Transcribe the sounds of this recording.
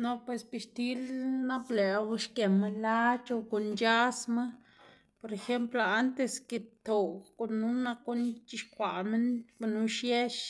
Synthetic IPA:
no˧pwe˨sbi˧ʃt̪i˦lna˦ble˨wʃke˨ma˧la˦t͡ʃo˧ko˨nt͡ʃa˦sma˦ | po˧ɾe˧xe˦mplo˧a˦nt̪e˧ske˧t̪o˨ko˧˨nːu˦na˧ku˦nt͡ʃi˧ʃkʷa˨me˦nba˧nu˧˦ʃje˦ʃ

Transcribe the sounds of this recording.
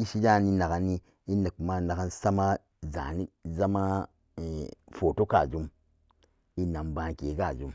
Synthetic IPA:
i˦ʃi˦d͡ʒa˦˨ni˦na˨ka˨nːi˦ | i˦nə˨kma˦na˨ka˦nsa˦ma˦ | za̰˨ni˦za˦ma˦˨ | fo˨to˦ka˨d͡ʒu˦m | i˦na˨mba˦ŋ˨ke˨˦ka˦˨d͡ʒu˦m

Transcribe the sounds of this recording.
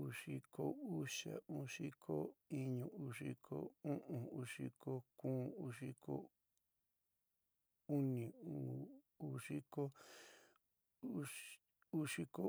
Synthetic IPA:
u˧ʂi˧ko˦u˦ʃa̰˨ũ˦ʂi˦kʰo˦i˦ɲũ˧u˧ʂi˦kʰo̰˦ũ˦ʔũ˧u˧ʂi˧kʰo˦kũː˦u˧ʂi˦ko̰˦ | u˦nĩ˨u˨ | u˦ʂi˦ko˦ | u˦ʂi˧ko˦

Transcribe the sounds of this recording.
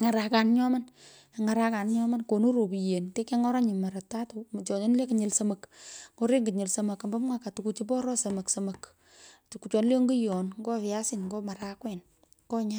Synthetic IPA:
ŋa˨ɾa˨ka˨nɲɔ˦ma˦n | a˨ŋa˨ɾa˦ka˨nɲɔ˦ma˦nko˨nu˦ɾo˨bi˨je˨nte˦ke˦ŋɔ˦ɾa˦ɲi˨ma˨ɾata˦tu˨t͡ʃɔ˨ɲ˦nle˦ki˨ɲɪ˨lsə˦mɐ˨kŋɡo˦ɾe˦ŋɡɪ˨ɲɪ˨lsɐ˨mɐ˨ka˨mba˦mŋwa˦ka˨tu˨ku˨t͡ʃi˦p̬ɔ˦ɾɔ˦sɐ˨mɐ˨ksɐ˨mɐ˨k | tu˨ku˨t͡ʃɔ˨n˦le˦o˦ŋɡu˦jɔ˨nŋɡɔ˦fɪ˨ja˦sɪ˦nŋɡɔ˦ma˨ɾakwɛ˨n | ŋɡɔ˦ɲa˦

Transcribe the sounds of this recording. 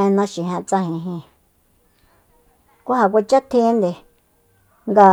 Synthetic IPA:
ẽ˧nã˧˦ʃĩ˨ɦɛ̃˧t͡sa˧hĩ˧ɦĩ˧ | kʷa˦ɦa˨kʷa˧t͡ʃa˦t̪ʰĩ˦nd̪e˨ | ŋɡa˧

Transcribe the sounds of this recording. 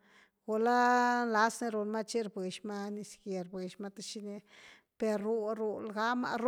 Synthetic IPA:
ɡ̥o˨la˦la˦sni˧ɾo˨lma˦t͡ʃi˦ɾbwe˨ʃma˦ni˧ske˨ɾbwe˨ʃma˧t̪e˦ʃi˦ne˧ | pe˨ɾu˨ɾu˨lɡa˦ma̰˧ɾ

